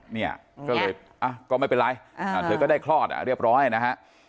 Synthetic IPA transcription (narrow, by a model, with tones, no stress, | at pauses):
ni˥˩ɐ | kɔː˥˩lɤː˧j | ʔa˧˩kɔː˥˩ma˥˩jpe˧nɾa˧jaː˨˧˩t̪ʰɤː˧kɔː˥˩da˥˩kʰlɔː˥˩t̪̚ʔa̰˨˩ɾi˥˩əp̚ɾɔː˦˥na˨˩na˦˥kʰa˦˥ʔ